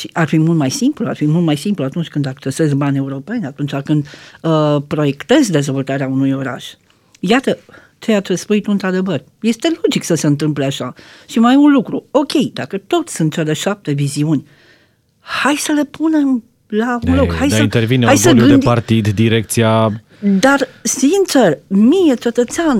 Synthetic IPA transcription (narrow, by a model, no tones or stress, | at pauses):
ʃiʔarfimult̪majsimplua̰rfimult̪majsimpluat̪unt͡ʃʲkɨnd̪akt͡ʃe̞se̞zbanʲe̞uɾo̞pe̞nʲat̪unt͡ʃakɨnd̪ | pɾo̞je̞kt̪e̞zd̪e̞zvo̞lt̪aɾeaunujo̞ɾa̰ʃ | jat̪ə | t͡ʃe̞at͡ʃespujit̪uɨnt̪ɾad̪e̞vər | je̞st̪e̞lo̞d͡ʒiksəse̞ɨnt̪̬ɨmpleaʃaʃimajunlukɾuo̞kʲe̞jd̪akət̪o̞t̪sʲsunt̪̚t͡ʃe̞le̞ʃap̚t̪e̞viziunʲ | hajsəle̞pune̞m | launlokhajaint̪ervineajsəɡɨd̪ed̪art̪id̪d̪iɾek̚t̪sija | d̪arsint͡ʃe̞rmijet͡ʃe̞t̪ət̪sean